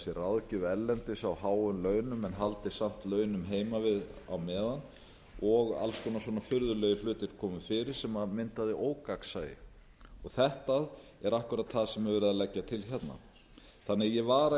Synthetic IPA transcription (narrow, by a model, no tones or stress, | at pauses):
sɪraðcʏvɛlːɛnt̪ɪsawɦaːwʏmlœːɥnʏmɛnɦalt̪ɪsam̥t̪lœːɥnʏmɦeːjmavɪða̰wmɛːðan | ɔɣa̰lskʰɔnaswɔːnafʏɾðʏlœːɣʏflʏːt̪ɪɾ̥kʰɔːmʏfɪːɾɪɾ̥sɛmamɪnt̪aðɪʔoːwkaksajɪ̰ | ɔɣθɛht̪aðɛɾahkʏɾat̪ʰθaðsɛmɛvɛːɾɪðalɛcːat̪ʰɪlçɛt̪na̰ | θanːɪjɛvaːɾa